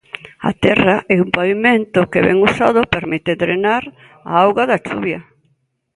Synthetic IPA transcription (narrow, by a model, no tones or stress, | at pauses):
a̰t̪ɛraʔɛumpaβimẽnt̪ʊkeβɛ̰ŋusaðʊpeɾmit̪ɪðɾenaɾ | a̰awɣaðat͡ʃṵβjɐ